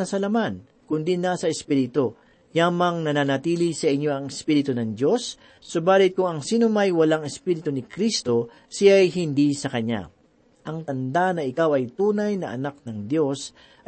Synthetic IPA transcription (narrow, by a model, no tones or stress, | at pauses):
ɐsɐlɐman | kʊnd̪inaːsɐɛspiɾɪt̪o̞ | jaːmɐŋnɐnanɐt̪iːlisɐʔɪɲːo̞ɐŋɛspiɾɪt̪ʊnɐŋd̪jo̞sː | ʊbaːlɪt̪̚kʊŋɐŋsiːnomɐjwɐlaŋɛspiːɾɪt̪onɪkɾist̪o̞ | sɪjajɦɪnd̪isɐkɐɲːa̰ | ʔɐŋt̪ɐnd̪anɐʔɪkawɐjt̪uːnɐjnɐʔɐ̰nak̚nɐŋd̪jo̞s